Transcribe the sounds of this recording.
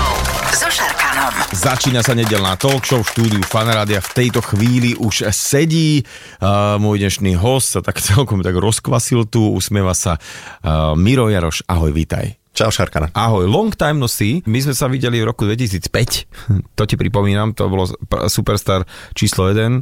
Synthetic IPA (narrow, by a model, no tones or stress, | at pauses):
ʃaɾkazat͡ʃiːnasaɲɛɟɛlnaːt̪ɔlkʃɔfʃt̪uːd̪iufanɾaːd̪iaft̪ɛjt̪ɔxʋiːliʔuʃsɛɟiː | mʊɔjɲɛʃniːɦɔscsat̪akt͡sɛlkɔmt̪aɡɾɔskʋasilt̪uṵsmɪɛʋasa | miɾɔjaɾɔ̰ʃa̰ɦɔjʋḭːt̪a̰j | t͡ʃaʊʃaɾkana̰aɦɔjlɔŋkt̪ajmnɔsimizmɛsaʋiɟɛlivɾɔkud̪ʋɛc̬is̬iːt͡spɛct̪ɔcipɾipɔmiːnamt̪ɔ̰bɔlɔpsupɛɾst̪aːɾt͡ʃiːslɔjɛd̪ɛn